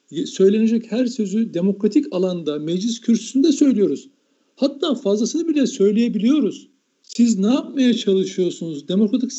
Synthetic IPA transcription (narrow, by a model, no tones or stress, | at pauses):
sø̞jlʲened͡ʒɛchæɾsø̞zyd̪e̞mo̞kɾat̪ʰicalˠand̪amɛd͡ʒlʲiscʰyɾsy̥synd̪ɛsø̞jlʲijo̞ɾuz̥ | hat̪ʰːaːfazlˠasɯnɯbilʲɛsø̞jlʲejebilʲijo̞ɾuz | siznaːapmajat͡ʃʰalˠɯʃɯjo̞ɾsunuzd̪e̞mo̞kɾat̪ʰi̥k